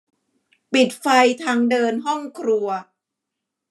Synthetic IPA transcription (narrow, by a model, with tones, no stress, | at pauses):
pi˨˩t̪̚fa˧jt̪ʰaː˧ŋdɤː˧nɦɔ˥˩ŋkʰɾu˧ɐ